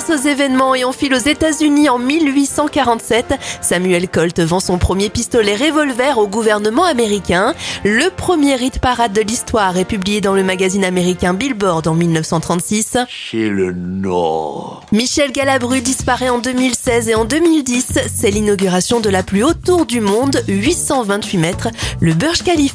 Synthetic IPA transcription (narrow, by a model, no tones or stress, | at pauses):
sozevɛnmɑ̃eɔ̃filozet̪azyniɑ̃milɥisɑ̃kaʁɑ̃t̪sɛt̪samyɛlkɔlt̪vɑ̃sɔ̃pχəmjepist̪ɔlɛʁevɔlvɛʁoɡuvɛʁnəmɑ̃ameʁikʲɛ̃ləpχəmjeʁit̪paʁad̪ːəlist̪waʁɛpyblijed̪ɑ̃ləmaɡazinameʁikʲɛ̃bilbɔʁd̪ɑ̃milnœfsɑ̃t̪χɑ̃t̪sisʃelənɔ̰ʁ | miʃɛlɡalabʁyd̪ispaʁɛɑ̃d̪ømilsɛzeɑ̃d̪ømild̪isːɛlinɔɡʲyʁasjɔ̃d̪əlaplyot̪ːuʁd̪ymɔ̃d̪ɥisɑ̃vɛ̃t̪ɥimɛt̪χləbœʁʒkalif